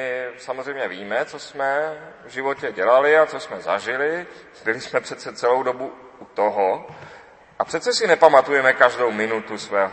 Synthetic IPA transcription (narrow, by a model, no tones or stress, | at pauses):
ɪsamozr̝ɛjmɲɛviːmɛt͡sosmɛvʒɪvo̞cɛɟɛlalɪat͡sosmɛza̰ʒɪlɪ | bɪlɪsmɛpr̥ɛt̪t͡sɛtt͡sɛlowdo̞bu | ut̪oɦo | ʔapr̥ɛt̪t͡sɛsɪnɛpamat̪ujɛmɛkaʒdowmɪnut̪usvɛːɦ